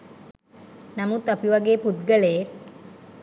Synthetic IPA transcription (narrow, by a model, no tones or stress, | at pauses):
namut̪apiʋaɡeːput̪ɡəle